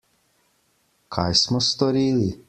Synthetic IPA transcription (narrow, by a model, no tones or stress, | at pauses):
kʰajsmɔst̪ɔɾiːli